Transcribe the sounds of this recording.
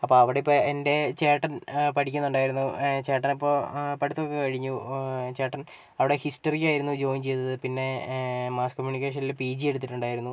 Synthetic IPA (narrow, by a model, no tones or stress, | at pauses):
ɐpːo̞ːɐʋiɽeipːoende̞t͡ɕeːʈːɐnpɐʈʰikʲːunːuɳɖaːjiɾunːut͡ɕe̞ːʈːɐnɐpːo̞ːpɐʈit̪ːokːekɐɻiɲːut͡ɕe̞ːʈːɐn | ɐʋiɽe̞hisʈɐrikʲːaːjiɾunːud͡ʑo̞ːiɲt͡ɕe̞jt̪ːɐðɨpinːe̞maːskomjuːnikʲːeːʂ̬ɐnilpiːd͡ʑie̞ɽut̪ːiʈːuɳɖaːjiɾunːu